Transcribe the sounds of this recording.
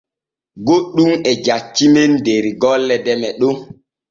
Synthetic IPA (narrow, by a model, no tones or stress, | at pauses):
ɡoɗːumɛd͡ʒat͡ʃːimendeɾiɡɔlːɛdɛmɛɗo